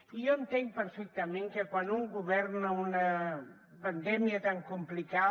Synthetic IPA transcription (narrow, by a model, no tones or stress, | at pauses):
ioent̪eŋpəɾfɛk̚t̪amẽŋkekwanuŋɡuβɛɾnaunə | pand̪ɛmiət̪aŋkumplika